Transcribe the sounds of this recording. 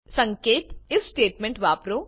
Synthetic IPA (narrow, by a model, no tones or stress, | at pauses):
sɐ̃ŋkeːt̪ɪfsʈeːʈmẽɳʈʋaːpɾoː